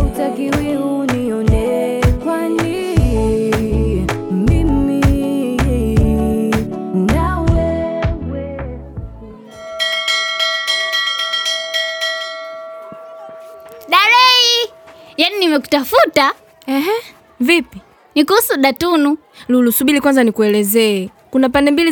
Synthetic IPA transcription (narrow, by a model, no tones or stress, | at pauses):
utakiwiuniɔndɛ | kwani | ɛim̩mi | unawɛwɛ | ɗaɾɛi | janinimɛku̥tafuta | ɛɦɛ | vipi | nikuhusuɗatunu | lulusuɓilikwanzanikuɛlɛzɛɛ | kunapandɛmbili